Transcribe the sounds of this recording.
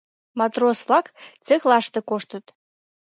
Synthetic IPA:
mɑt̪rosvlɑkt͡sexlɑʃt̪ekoʃt̪ət̪

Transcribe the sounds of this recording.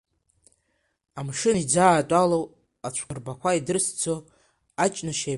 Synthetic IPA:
amʂɨnid͡zaːtʼalow | at͡ɕʷʰɨrbakʷʰaidɨrsd͡zʰo | at͡ʃʼnaʃe

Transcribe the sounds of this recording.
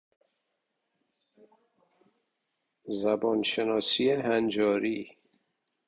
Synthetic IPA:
zæbɒːnʃenɒːsieɦænd͡ʒɒːɾiː

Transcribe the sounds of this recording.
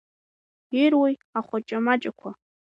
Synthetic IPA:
irwijaχʷat͡ʃʼamat͡ʃʼakʷʰa

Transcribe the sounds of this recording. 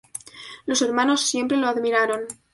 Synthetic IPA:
lo̞se̞ɾmãno̞sːje̞mpɾe̞loaðmiɾaɾo̞n

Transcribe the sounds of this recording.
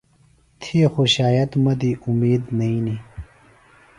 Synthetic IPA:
t̪ʰixoɕaːjɐt̪mɐd̪iumeːd̪nɐini

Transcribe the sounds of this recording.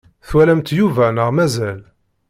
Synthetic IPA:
θwælæmt̪juvænəʁmæzæl

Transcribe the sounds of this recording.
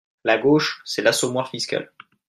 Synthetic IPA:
laɡoʃsɛlasɔmwaʁfiskʲa̰l

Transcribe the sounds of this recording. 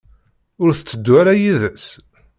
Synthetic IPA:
ʊɾθə̥t͡sːəd̪ːwaɾajiðəs

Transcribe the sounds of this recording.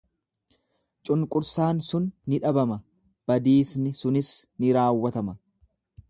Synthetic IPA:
t͡ʃʼʊŋkʼʊɾsaːnsʊnːɪᶑɐbɐmɐ | b̥ɐd̪iːsnɪsʊnɪsnɪɾaːwːɐt̪ɐmɐ

